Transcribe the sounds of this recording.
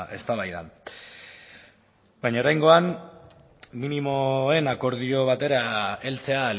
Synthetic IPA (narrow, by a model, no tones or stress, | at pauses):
ʔe̞st̪aβajða̰n | bajɲaoɾajŋɡo̞an | minimo̞e̞nako̞ɾð̞io̞β̞at̪e̞ɾae̞lt͡se̞al